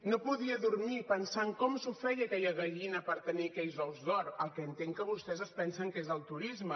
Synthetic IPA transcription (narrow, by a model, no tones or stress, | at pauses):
nopuðiəðuɾmipənsaŋkɔmsufɛjəkɛʎəɣəʎinəpəɾt̪ənikɛʎzɔwzðɔɾəlˠkɛːnt̪eŋkəβust̪ɛzəspɛnsəŋkezəlˠt̪uɾizmə